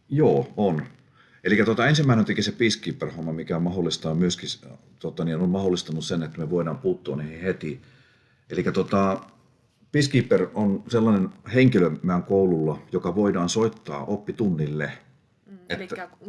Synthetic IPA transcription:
joːon | elikːˑæt̪uot̪ɑensimːæˑinent̪ekisepiskiːpːerhomːɑmikæomɑholːˑist̪ɑːmyøskis | t̪ot̪ɑninommɑholːˑist̪ɑnussenet̪ːæmeʋoˑidɑːmpuːt̪ːoːniːhihet̪i | ʔelikːˑæt̪ot̪ɑ | piskiːpːeronselːɑnenheŋkilømːæŋkoululːɑjokɑʋoidɑːnsoit̪ːɑ̰ːʔopːit̪unːilːe | et̪ːæ

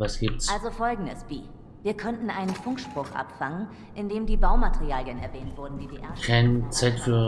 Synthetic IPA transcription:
vasɡ̥iːp̚tsʔalzofɔlɡŋ̩dəsv̥iː | viːɐkʰɔntn̩ʔaɪnənfʊŋkʃpʁ̥ʊχʔa̰pfaŋən | ʔɪndeːmdiːbaʊmateʁiaːljənɛɐvɛːntv̥ʊɐdn̩diːdeːʔɛɐkʰɛnt͡sɛtː

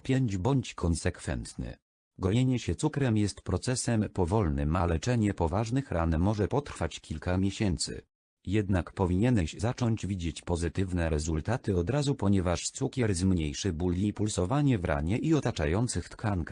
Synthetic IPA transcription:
pʲjɛɲd͡ʑbɔɲt͡ɕkʰɔnsɛkfɛ̰nt̪nɘ̰ | ɡɔɲeɲɛɕɛt̪sukɾɛmjɛst̪pɾɔt̪sɛsɛmpɔvɔlnɘ̰malɛt͡ʂɛɲɛpɔvaʐnɘxɾanːɔʐɛpɔt̪ɾfat͡ɕkʲʰilkamʲjeɕɛnt̪sɘ̰ | jɛd̪nakpɔvʲiɲɛnɛɕzat͡ʂɔɲd͡ʑvʲid͡ʑet͡ɕpɔzɘt̪ɘvnɛɾɛzult̪at̪ɘɔd̪ɾazupɔɲɛvaʂt̪sukʲɛɾzmɲejʂɘbulːʲipulsɔvaɲɛvɾʔa̰ɲɛʔiɔt̪at͡ʂa̰jɔnt̪sɘxt̪kʰank

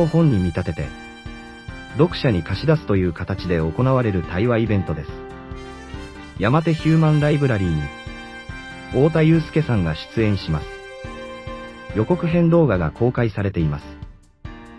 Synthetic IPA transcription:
ohõ̞ɲ̟ːimʲit̪at̪e̞t̪e̞̰ | d̪o̞kɯ̟̥ɕaɲ̟ikaɕid̪asɨ̥t̪o̞jɯ̟ːkat̪at͡ɕid̪e̞o̞ko̞naβaɾe̞ɾɯ̟t̪aiβaibẽ̞nt̪o̞d̪esɨ̥ | jamat̪e̞çɨːmãnɾaibɯ̟ɾaɾʲiːɲ̟i | o̞ːt̪̬ajɯːsɨ̥ke̞sãŋɡaɕi̥t͡sɨẽ̞ɰ̃ɕimasɨ̥ | jo̞ko̞kɯ̟ɦẽ̞nd̪o̞ːɡaɡa̰kʰo̞ːkaisaɾe̞t̪e̞imasɨ̥

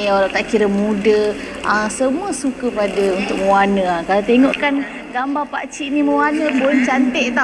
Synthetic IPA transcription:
jaoɾat̪aʔkiɾəmũdə | ʔəsəmuəsukəpadəunt̪ʊk̚məwanə̃akalat̪eŋoʔkan | ɡambapa̰ʔt͡ʃiʔniməwanə̃bolht͡ʃant̪ɛʔt̪a

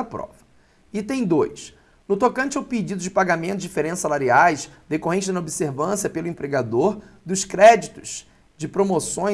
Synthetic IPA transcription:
ɐpɾɔ̰vɐ | ɪt̪ẽj̃d̪ojs | nʊt̪okɐ̃nt͡ʃawpid͡ʒid̪ʊd͡ʒɪpaɡamẽnt̪ʊd͡ʒɪfeɾẽsʊsalaɾiajsd̪ekoɦẽnt͡ʃɪnɐobiseɾvɐ̃siɐpelʊẽpɾeɡad̪oɾd̪ʊskɾɛd͡ʒit̪ʊ̥z̥ | d͡ʒɪpɾomosõj̃

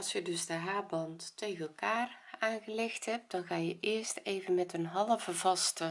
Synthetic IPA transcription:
lˠsjədɵzdəɦaːbɑntːejɣənɛlˠkaːraːnɣəlɪxthɛp̚d̥ɔnɣaːjəʔɪəsteːvənmɛtənɦɑlˠəvəvɑstə

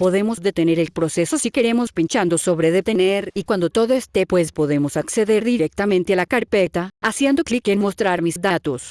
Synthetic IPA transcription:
po̞ðe̞mo̞zðe̞t̪e̞ne̞ɾelpɾo̞se̞sosike̞ɾe̞mo̞spint͡ʃand̪oso̞βɾeðe̞t̪e̞ne̞ɾikwand̪o̞t̪o̞ðoest̪e̞pwe̞spo̞ðe̞mosakse̞ðe̞ɾðiɾek̚t̪amẽnt̪ealakaɾpet̪aasje̞nd̪o̞klikenmo̞st̪ɾaɾmisd̪at̪os

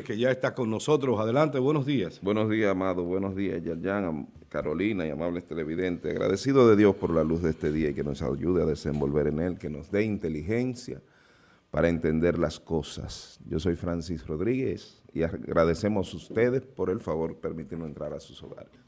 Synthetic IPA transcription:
keʝaest̪akonnoso̞t̪ɾosaðelant̪eβwenozðiasbwe̞no̞zðiasamaðoβwe̞no̞zðiasʝalʝaŋa | kaɾo̞linaiamaβlest̪e̞le̞βiðe̞nt̪ea̰ɣɾa̰ðe̞siðo̞ðe̞ðjo̞spo̞ɾlaluzðeest̪e̞ðiaike̞no̞sa̰ʝuðeaðe̞se̞mbo̞lβe̞ɾene̞lke̞no̞zðe̞int̪e̞lixe̞nsja̰ | paɾae̞nt̪e̞nd̪e̞ɾlasko̞sa̰sɟ͡ʝo̞so̞jfɾansisro̞ðɾiɣe̞sḭaɣɾʔaðe̞se̞mo̞sust̪e̞ðe̞spo̞ɾe̞lfaβo̞ɾpe̞ɾmit̪inoe̞nt̪ɾaɾasu̥so̞̰ɣa̰ɾes

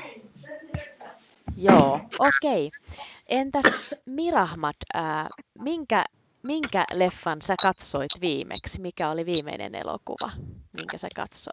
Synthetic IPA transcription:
joːʔokeiʔent̪æsmirɑhmɑt̪æːmiŋkæ̰ | miŋkæ̰lefːɑnsækɑt̪soit̪ʋiːmʔḛksmikæoliʋiːmḛinḛnḛlo̰kṵʋɑ̰mḭŋkæsekɑ̰t̪so̰

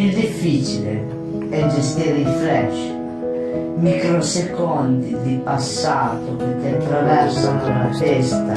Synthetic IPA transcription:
id̪ifːit͡ʃilḛ | ɛd͡ʒest̪iɾifɾɛʃ | mikɾosekɔnd̪id̪ipasːaːt̪okit̪ɛt̪ːɾavɛɾsakonafɛst̪a

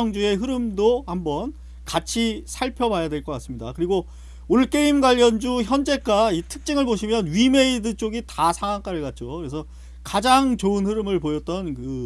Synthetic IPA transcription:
ŋd͡ʑue̞ɦɯɾɯmdohambʌn | kat͡ɕʰisʰaɭpʰjʌbajadwe̞ɭk͈ʌk͈as͈ɯmɲidakɯɾiɡo | unɯɭk͈e̞imɡwaʎːʌnd͡ʑuçjʌnd͡ʑe̞k͈aitʰɯk̚t͡ɕ͈iŋɯɭboɕʰimjʌnɥime̞idɯt͡ɕ͈oɡitasʰaŋwaŋk͈aɾɯɭkat̚t͡ɕ͈okɯɾe̞sʰʌ | kad͡ʑaŋt͡ɕoɯnhɯɾɯmɯɭpojʌt̚t͈ʌnkɯ

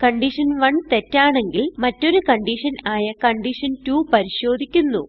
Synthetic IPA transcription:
kɐɳɖiʂɐnʋɐɳt̪e̞tːaːɳe̞ŋɡilmɐtːo̞ɾukɐɳɖiʂɐnaːjɐkɐɳɖiʂɐntuːpɐɾiɕo̞ːd̪ʱikʲːunːu

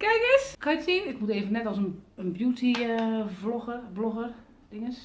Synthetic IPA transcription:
kɛjkəskʰɔjɪsiənɪkmuteːvənːɛtɔsənənbjuːtivloəbloxər | d̥ɪŋəs

